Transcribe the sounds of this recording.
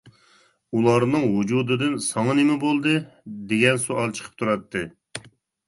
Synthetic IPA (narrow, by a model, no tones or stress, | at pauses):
ulˠɑɾnɨŋwud͡ʒud̪ɨd̪ɨnsɑŋɑnemɪbolˠd̪ɨ | d̪eɡʲɛnsuʔɑlˠt͡ʃʰə̥qʰə̥p̚t̪ʰuɾɑt̪ːɨ